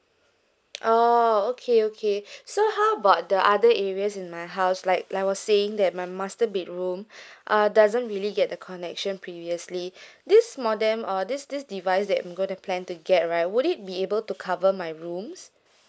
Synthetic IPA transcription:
ʔookʰeokʰesohaʊəbaʊt̚dəʔadəɛɹiəsĩnmajɦaʊslaɪk̚aɪwɔsːeɪ̃ŋdɛt̚maɪmastəbit̚ɹũmʔʌdazə̃ntɹiəliɡɛt̚dəkʰɔnɛkʃə̃npʰɹiviəslidismɔdɛ̃mʔɔdisdisdivaɪs̬dɛtã̰jmɡõɪ̃ntupʰlɛ̃ntuɡɛt̚ɹaɪt̚wuɾit̚biebəltukʰavəmajɹũms

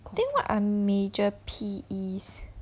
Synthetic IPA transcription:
t̪ĩŋkwaʔãmed͡ʒəpʰiis

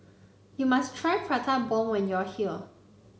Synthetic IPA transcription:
jumastʰɹajfʰɹatʰabɔwɛ̃njɔhil

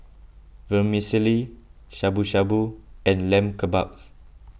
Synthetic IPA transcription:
vɛmisiliʃabuʃabuɛ̃nlɛ̃mkəba̰k̚s

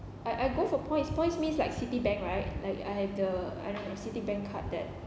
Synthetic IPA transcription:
ʔaɪʔaɪɡofɔəpʰɔ̃ɪ̃ntspɔ̃ɪ̃tsmĩnslaɪksitibɛ̃ŋkɹaɪt̚laɪka̰jhɛvdəa̰jdõnwnsitibɛ̃ŋkʰa̰t̚dɛ̰t̚

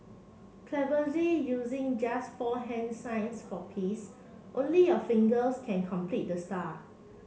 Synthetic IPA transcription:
kʰlɛvəzijuzɪ̃ŋd͡ʒasfɔɦɛ̃nsãɪ̃nsfɔpʰis | ʔõnliɔfɪ̃ŋɡəlskʰɛ̃nkʰɔ̃mpʰlit̚dəsta

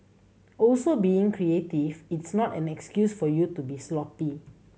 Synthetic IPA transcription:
ʔɔlsobiĩŋkʰɹietivitsnɔtɛ̃nɛkskjusfɔjutubislɔpi

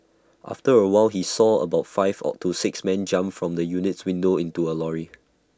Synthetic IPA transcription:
ʔa̰ftəɹəwaɪlɦisɔə̰baʊtfaɪvɔ̰tʰusɪksmɛ̃nd͡ʒãmfɹɔ̃mdəjunɪtswĩndoĩntuəlɔɹi

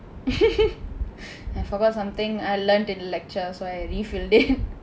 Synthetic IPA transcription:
aɪfɔɡɔtsãmt̪ĩŋaɪlənʈɪ̃nlɛk̚t͡ʃəsoaɪɾifilɖɪd̚

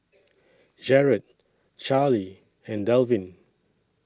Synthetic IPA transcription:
d͡ʒɛɹət̚ | t͡ʃali | ɛ̃ndɛlvĩn

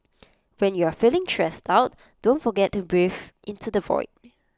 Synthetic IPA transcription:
wɛ̃njuafilɪ̃ŋtʰɹɛstaʊt̚ | d̥õntfɔɡɛt̚dəbɹifʔɪ̃ntudəvɔ̰ɪt̚

